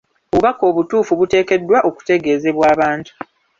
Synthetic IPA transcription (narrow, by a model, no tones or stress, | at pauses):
oβuβako̞ːβutuːfuβute̞ːke̞dːwaʔo̞ku̥te̞ɡe̞ːze̞βwaːβaːntu̥